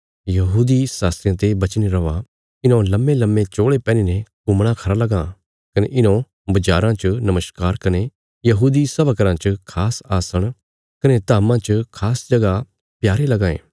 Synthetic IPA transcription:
jɐɦuːd̪isaːst̪ɾjãt̪ebɐt͡ʃniɾɐʋa | ɪnõlɐmelɐmːet͡ʃoːɭepɛ̃ːninɛkʊmɽ̃ãkʰɐɾalɐɡã | kɐneʔɪnõ | bɐd͡ʒaːɾãt͡ʃnɐməʃkaːɾkɐne | jɐɦuːd̪isɐʋakəɾãt͡ʃkʰaːsaːsəɽ̃ | kɐnet̪aːmãt͡ʃkʰaːsd͡ʒɐɡa | pjaːɾelɐɡãːḛ̃ː

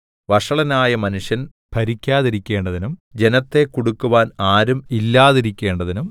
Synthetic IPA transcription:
ʋɐʂɐɭɐnaːjɐmɐnuʂjɐn | pʰɐɾikʲːaːðiɾikʲːe̞ːɳɖɐðinumd͡ʑe̞nɐt̪ːe̞kːoɽukːuʋaːnaːɾumilːaːðiɾikʲːe̞ːɳɖɐðinum

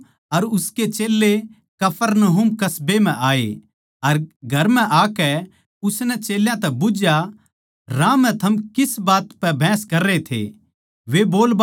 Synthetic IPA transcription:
ɐɾʊsket͡ʃeːlːe | kɐpʰəɾnəɦʊmkɐsbemɛ̃ʔaːḛ | ɐɾɡʱɐɾmɛ̃ʔaːkɛ | ʊsnɛt͡ʃeːljãt̪ɛbʊd͡ʒja | ɾãːmɛ̃t̪ʰɐmkɪsbaːt̪pɛbʱɛ̃ːskɐɾːet̪ʰḛ | ʋeboːlb

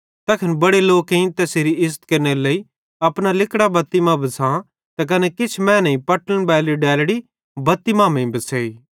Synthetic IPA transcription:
t̪ɐkʰɐnbɐɽeloːkɦĩt̪ɛseɾiɪzət̪kɐɾnelei | ɐpɽ̃alɪkɽabɐt̪ːɪmabɐsʰã | t̪ɐk̬ɐnɛkɪt͡ʃʰmɛ̃ːnɐĩpɐʈənbɛːliɖɛːlɽi | bɐt̪ːimamẽĩbɐseːiː

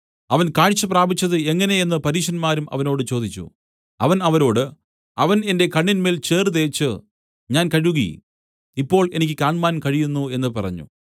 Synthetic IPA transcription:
ɐʋɐnkaːɻit͡ɕːɐpraːbit͡ɕːɐðɨe̞ŋːɐne̞enːɨpɐɾiːʂɐnmaːɾumʔɐ̰ʋɐno̞ːɽɨt͡ɕo̞ːd̪it͡ɕːṵ | ɐʋɐnɐʋɐɾo̞ːɽɨ | ɐʋɐne̞nde̞kɐɳːinme̞ːlt͡ɕe̞ːrɨðe̞ːt͡ɕːɨ | ɲaːnkɐɻuɣɐ̰j̰ | ipːo̞ːɭe̞nikʲːɨkaːɳmaːnkɐɻijunːue̞nːɨpɐrɐ̰ɲːṵ

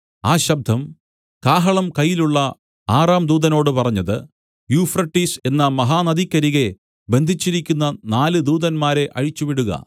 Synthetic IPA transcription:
aːɕɐb̚d̪ʱɐm | kaːɦɐɭɐmkɐjːiluɭːɐ | aːraːmd̪uːðɐno̞ːɽɨpɐrɐɲːɐðɨ | juːfrɐʈːise̞nːɐmɐɦaːnɐðikʲːɐɾiɣe̞ | be̞nd̪ʱit͡ɕːiɾikʲːunːɐnaːlɨd̪uːðɐnmaːɾe̞ʔɐɻit͡ɕːuʋiɽuɣɐ̰

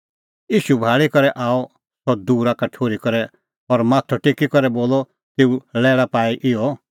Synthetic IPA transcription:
jiːʃubʱaːɭikɔɾɛʔaːɔ | sɔd̪uːɾakaʈʰoːɾikɔɾɛ | ɔɾmaːt̪ʰɔʈekikɔɾɛboːlɔ | t̪eːulɛːɭapaːiʔɪjɔ

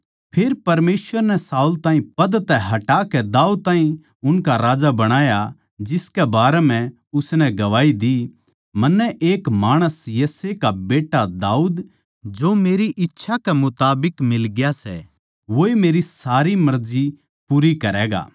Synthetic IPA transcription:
pʰɪɾpɐɾmeːsʋəɾnɛsaːult̪ãːĩpɐd̪t̪ɛɦɐʈaːkɛd̪aːud̪̚t̪ãːĩ | ʊnkaɾaːd͡ʒabɐɽ̃aːja | d͡ʒɪskɛbaːɾɛm̤ɛ̃ | ʊsnɛɡɐʋaːid̪i | mɐnːɛʔeːkmaːɽ̃əsjɐsekabeːʈad̪aːuːd̪ | d͡ʒoːmeːɾiʔɪtːʃʰakɛmʊt̪aːbɪkmɪlɡjasɛ̰ | ʋoːemeːɾisaːɾimɐɾd͡ʒi | puːɾikɐɾɛːɡa̰ː

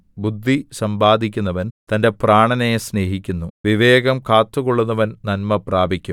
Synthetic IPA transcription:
bud̪ʱːisɐmbaːd̪ʱikʲːunːɐʋɐnt̪ɐnde̞praːɳɐnesne̞ːɦikʲːunːuʋiʋe̞ːɡɐmkaːt̪ːuɣoɭːunːɐʋɐnnɐnmɐpraːbʱikʲːu

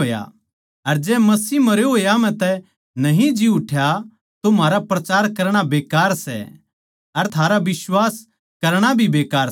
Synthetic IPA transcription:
oːja̰ | ɐɾd͡ʒɛːmɐsiːmɐɾeɦoːjam̤ɛ̃t̪ɛ | nɐɦĩd͡ʒiʊʈʰja | t̪omaːɾapɾɐt͡ʃaːɾkɐɾɽ̃abeːkaːɾsɛ̰ | ɐɾt̪ʰaːɾaʋɪswaːs | kɐɾɽ̃abʱibeːkaːɾ

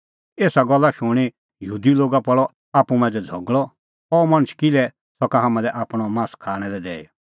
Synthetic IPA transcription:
eːsaɡɔlːaʃʊɽ̃i | jəɦuːd̪iloːɡapɔɭɔ | aːpːumãd͡zɛd͡zʱɔɡɭɔ | ɔmɐ̃ɽ̃t͡ʃʰkɪlɛ | sɔkaɦamãdɛʔaːpɽ̃ɔmãːskʰaːɽ̃ɛlɛd̪ɛː

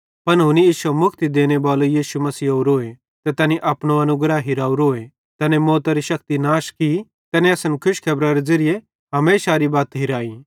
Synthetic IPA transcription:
pɐnɦʊnijiːsɐmʊkʰt̪id̪eːñebaːlojiːʃumɐsiːoːɾoːe | t̪ɛt̪ɛːniʔɐpɽ̃õɐnʊɡɾaɦɪɾaːuɾoːe | t̪ɛːnemoːt̪aɾiʃɐk̚t̪inaːʃki | t̪ɛːnẽɐsənkʰʊʃkʰɐːbɾaɾed͡zɐɾɪje | ɦɐmeːʃaɾibaːt̪ɦɪɾaːi

